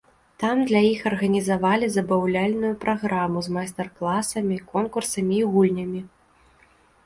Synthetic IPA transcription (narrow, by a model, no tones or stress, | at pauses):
t̪amd̪lʲɐjixɐrɣɐnʲizavalʲizɐbawlʲalʲnujupɾʔaɣɾamuzmajst̪ɐrklˠasɐmʲikɔnkursɐmʲiːɣulʲnʲɐmʲi